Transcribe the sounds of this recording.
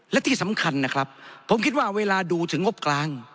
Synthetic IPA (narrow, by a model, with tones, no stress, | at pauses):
lɛ˦˥t̪ʰiː˥˩sa˩˦mkʰa˧nːa˦˥kʰɾa˦˥p̚ʰːo˩˦mkʰi˦t̪̚waː˥˩weː˧laː˧duː˧t̪ʰɯ˩˦ŋːo˦˥p̚klaː˧ŋ